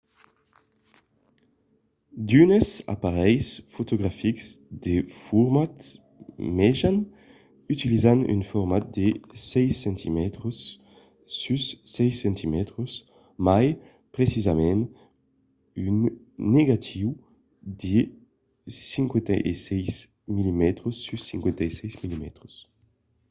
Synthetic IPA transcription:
d̪ynəsa̰paʁɛjsfot̪oɡʁafikz̥d̪efuɾmat̪ | mɛʒan | yt̪ilizany̰nfuʁmat̪̚d̪esɛjsɛnt̪ʰimɛt̪ɾosː | ysːɛjsɛ̃nt̪ʰimɛt̪ɾos | maj | pʁesizamɛ̃n | ynː | eɡat̪ʰiw | d̪e | sĩŋkwɛ̃nt̪aʔesɛjs | milimɛt̪ɾosːysːĩŋkwɛ̃nt̪aesɛjsmilimɛ̰t̪ɾos

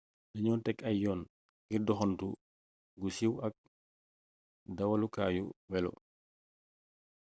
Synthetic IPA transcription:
diɲɔntɛkɐjjɔːn | ɡiɾdɔxɔntu | ɡusiwɐk̚ | dɐwalukaːjṵwɛlɔ̰

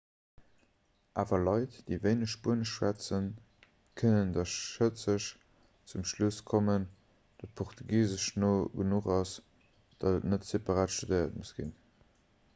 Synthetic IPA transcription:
ʔaːvɐlɑɪtd̥eɪveɪnəʃbuənəʃʃwæt͡sən | kʰənəndɑʃət͡səʃ | t͡sumʃluskʰomən | d̥ɑt̚pʰɔχtʰuɡiːzəʃnoːɡənuχɑs | d̥ɑdətnətsepɑʁaːtʃtudəɪɐt̚musɡ̥ḭn

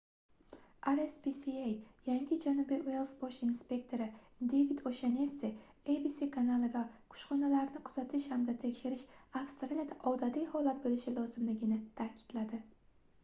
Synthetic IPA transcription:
aɾespisiejjaŋɡʲɪd͡ʒanʊbijʔʊelˠsboʃinspʲe̞kt̪ʰo̞ɾɪd̪ejvid̪oʃenese | ejbisikʰanalˠɪɡaqʰʊ̥ʃχɒnalaɾnɪqʰʊ̥z̥at̪ʰɪʃhamd̪at̪ʰe̞kʲʃɪɾɪʃafst̪ɾanet̪aʔɒwd̪ad̪ijhɒlat̪̚bolɪʃɪlɒzɪmlɪɡʲɪnɪt̪ʰakʲʰɪ̥d̪̥lad̪ɪ

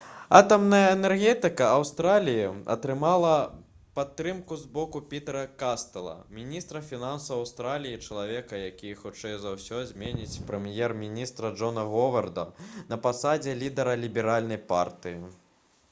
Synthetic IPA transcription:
at̪ɐmnɐjɐɛnɛrɣʲɛt̪ɨkɐɐwst̪ɾalʲijiɐ̰t̪ɾɨmalˠɐ | pat̪ːɾɨmkuzbɔkupʲit̪ɛɾɐkast̪ɐlˠɐ̰mʲinʲist̪ɾɐfʲinansɐwɐwst̪ɾalʲijit͡ʂɐlˠavʲɛkɐjakʲijxut͡ʂɛjzawsʲɔzʲmʲɛnʲit͡sʲpɾɛmjɛrmʲinʲist̪ɾɐd͡ʐʐɔnɐɣɔvɐrd̪ɐnɐpasad͡zʲɛlʲid̪ɛɾɐlʲibʲɛɾalʲnɐjpa̰rt̪ɨji

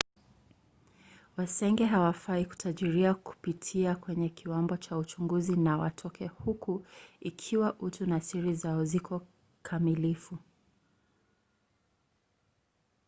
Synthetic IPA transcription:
wasɛŋɡɛɦawafaiku̥tʰaʄiɾiaku̥pitʰiakwɛɲɛkʰiwambɔt͡ʃaut͡ʃuŋɡuzinawa̰tʰɔkɛhukuikʰiwaʔutunasiɾizaɔzikʰɔ | kʰamilifu

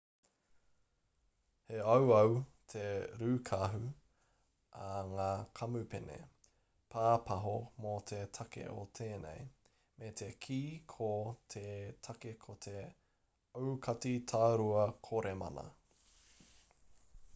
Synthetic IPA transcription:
heɐwɐwtʰeɾʉːkʰaɦʉ | ʔaŋaːkʰɐmʉpenḛ | pʰaːpʰɐɦomot̪ʰetʰɐkḛʔotʰeːnḛj | met̪ʰekʰiːkʰot̪ʰetʰɐkekʰotʰe | owkʰɐtitʰaːɾuɐkʰoɾemɐ̰nɐ̰

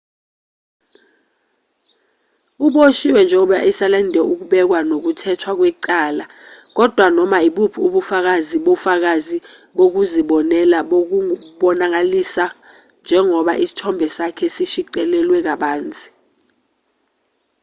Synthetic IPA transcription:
uɓoʃiwɛnd͡ʒʱɛuɓja̰ʔisalandʱɛuk̬uɓɛk̬wanok̬utʰɛtʰwak̬wɛǀaːla | k̬ɔd̥ʱwanɔmaiɓupʰuuɓufak̬aziɓofak̬azi | ɓok̬uziɓɔnɛlaɓok̬uɓɔnak̬alisa | nd͡ʒʱɛŋɔɓaʔisi̥tʰɔmbʱɛsakʰɛsiʃiǀɛlɛlwɛk̬aɓaːnt͡sʼi̥

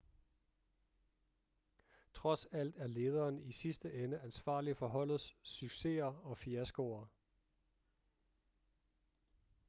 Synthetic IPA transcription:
t͡sʰʁɒ̽sæl̰d̥æɐle̝ːð̞ˠɐːnisisd̥əʔenəʔænsʋɑ̰̈ːlifɒ̽ɦɒ̽l̰ð̩ˠssyɡ̥se̝̰ɐɒ̽fiæsɡ̥oɐ

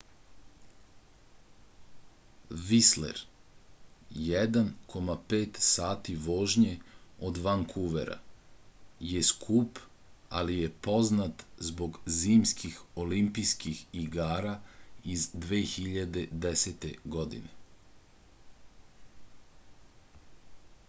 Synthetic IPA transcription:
ʋislḛɾ | jɛd̪ankʰo̞mapeːt̪saːt̪iʋo̞ːʒɲeo̞d̪ʋaŋkʰuʋḛɾa̰ | jeskʰuːp | a̰lijepo̞znat̪zbo̞ɡziːmskixo̞limpijskixiɡaːɾaizd̪ʋeːxiʎad̪e̞d̪eset̪eɡod̪ḭne

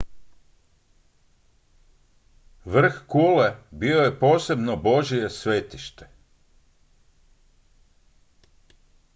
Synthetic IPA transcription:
ʋr̩xkuːlebioje̞po̞ːse̞bnobo̞ʒie̞sʋeːt̪iʃt̪e̥

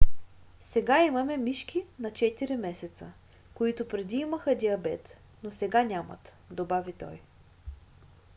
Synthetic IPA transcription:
sɛɡaimɐmɛmiʃk̟inɐt͡ʃɛt̪iɾimɛsɛt̪sə̰ | koit̪ʊpɾɛd̪iiməxəd̪iɐbɛt̪ | nosɛɡanʲamɐ̰t̪ | d̪obavit̪ɔ̰j

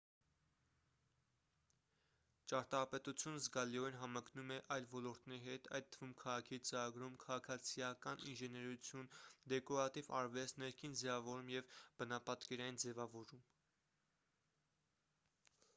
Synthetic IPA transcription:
t͡ʃɑɾt̪ɑpɛt̪ut͡sʰjunəzɡɑliɔinɦɑmɑknumɛʔɑjlvɔlɔɾt̪nɛɾiɦɛt̪ʰɑ̰jt̪ʰːəvumkʰɑʁɑkʰiit͡səɾɑɡɾumkʰɑʁɑkʰɑt͡sʰijɑkɑnḭnʒɛnɛɾut͡sʰjund̪ɛkɔɾɑt̪ivɑ̰ɾvɛt͡snɛɾkʰind͡zɛvɑvɔɾumjɛvb̥ənɑpɑt̪kɛɾɑjind͡zɛvɑvɔɾum

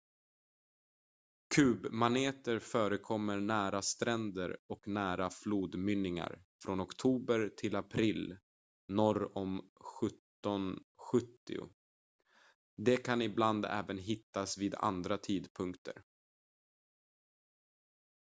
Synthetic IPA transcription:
kʰʉ̟ːbmaneːt̪əɾfœːɾəkʰɔmːəɾɳæːɾast̪ɾɛnd̪ə̰ɾɔknæːɾafluːd̪mʏnːɪŋa̰ɾ | fɾɔnɔkt̪ʰuːbəɾt̪ʰɪlapʰɾɪːl | nɔɾɔmɧɵt̪ːɔnɧɵt̪ːɪ̰ʊ̰ | d̪ɛkʰanɪbland̪ɛ̰ːvənɦɪt̪ːasviːd̪a̰nd̪ɾat̪ʰiːd̪pʰɵŋkt̪ʰə̰ɾ

